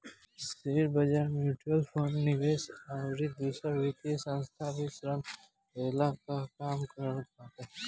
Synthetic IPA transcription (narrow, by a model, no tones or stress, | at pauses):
seɾbəd͡ʒaːmjuːʈuəlpʰoːnnːɪʋeːsaʊɾid̪uːsəɾʋit̪iesə̃nst̪ʰabʱisɾəm | ɾeːlakakaːmkəɾaːt̪a